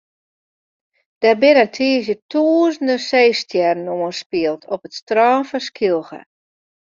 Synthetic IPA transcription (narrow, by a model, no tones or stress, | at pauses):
d̥ɛrbɪnəntʰiəzjətʰuəzən̩dəseːstjɛrnoənspiəlˠtʰɔpətstraːfəskʰilˠxə̰